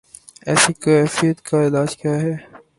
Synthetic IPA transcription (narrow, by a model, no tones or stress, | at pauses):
ɛ̰ːsikɛːfijət̪kaɪlaːd͡ʒkjaɦɛː